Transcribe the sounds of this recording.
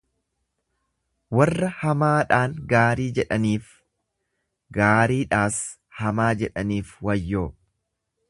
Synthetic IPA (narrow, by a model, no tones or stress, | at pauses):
wɐrːɐhɐmaːᶑaːŋɡaːɾiːd͡ʒɛᶑɐniːf | ɡaːɾiːᶑaːs | hɐmaːd͡ʒɛᶑɐniːfwɐjːoː